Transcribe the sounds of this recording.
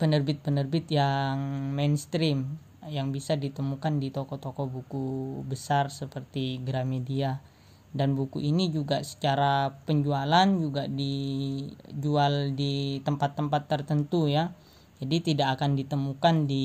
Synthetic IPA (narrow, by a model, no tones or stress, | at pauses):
pənərbɪt̪̚pənərbɪt̪jaŋmenst̪ɾim | jaŋbisadit̪əmukandit̪ɔkɔt̪ɔkɔbukubəsarsəpərt̪iɡɾamedia | danbukṵʔinid͡ʒuɡasə̥t͡ʃaɾapəɲd͡ʒualand͡ʒuɡadi | d͡ʒualdit̪əmpat̪ːəmpat̪ːərt̪ənt̪uja | d͡ʒadit̪idakakandit̪əmukandi